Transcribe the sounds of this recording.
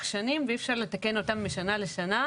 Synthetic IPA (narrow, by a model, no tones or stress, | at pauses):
χʃanimveifʃaʁle̞t̪ake̞no̞tamːiʃanale̞ʃana